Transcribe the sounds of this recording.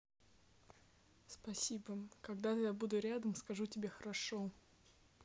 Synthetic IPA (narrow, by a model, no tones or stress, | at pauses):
spɐsʲibəkɐɡd̪at̪ɨjabud̪ʊɾʲad̪əmskɐʐutʲɪbʲexəɾɐʂo